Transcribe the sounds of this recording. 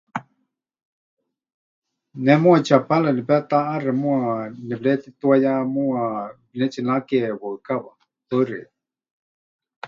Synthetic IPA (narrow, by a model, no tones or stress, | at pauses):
nɛmũat͡ʃapalanipɛt̪aʔaɾɛmũanɛblɛt̪it̪uajamua | nɛt͡ʃinakɛwəkaβa | pəɾɛ̰